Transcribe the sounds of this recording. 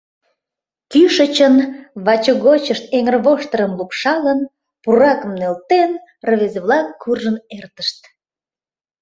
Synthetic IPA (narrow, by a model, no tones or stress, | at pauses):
kyʃət͡ɕənβɑt͡ɕəɣot͡ɕəʃt̪̚eŋərβoʃt̪əɾəmlupʃɑlən | purɑkəmnølt̪en | rəβezeβlɑkːurʒənert̪əʃt̪